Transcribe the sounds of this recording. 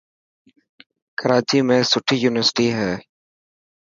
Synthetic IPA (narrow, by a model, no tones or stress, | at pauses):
kəɾaːt͡ʃiːmẽːsʊʈʰijuːnɪʋəɾsɪ̥ʈiɦɛː